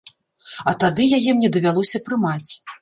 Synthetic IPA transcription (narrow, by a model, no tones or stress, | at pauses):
ɐt̪ad̪ɨjajɛmnʲɛd̪ɐvʲalˠɔsʲɐpɾɨmat͡sʲ